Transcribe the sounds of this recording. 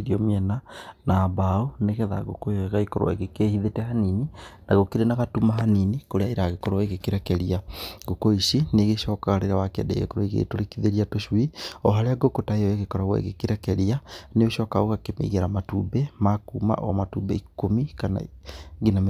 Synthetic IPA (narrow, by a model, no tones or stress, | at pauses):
ɾiɔmiɛnanabaoneɣɛða̰ɣokoɣaikɔɾo̰ḛɣekehiðetɛhanininʔaɣokeɾenaɣatumaɦaninikoɾeaiɾaɣekɔɾoeɣekeɾɛkɛɾiaɡokoiʃineɣeʃɔkaaɾeɾawakɛ̰dɛ̰ɣḛkoɾoiɣḛtoɾekiðeɾiatoʃwiɔɦaɾeaɡokotaeɔeɣekɔɾaɣwɛ̰ḛɣekeɾɛkɛɾianeoʃɔkaoɣakemḛiɣeɾamatubɛmakuːma̰ʔɔ̰amatubɛ̰ikomikana̰ɡinam